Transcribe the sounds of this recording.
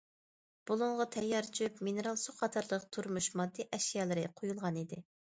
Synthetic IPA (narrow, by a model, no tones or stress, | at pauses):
b̥ulˠʊɴʁɑt̪ʰɛjːɑɾt͡ʃʰypminɨɾɑlˠsuqɑt̪ʰɑɾlˠəq̚t̪ʰuɾmuʃmɑd̪ːiʔɛʃijɑːlˠɨɾɪqʰojulˠʁɑnid̪ɪ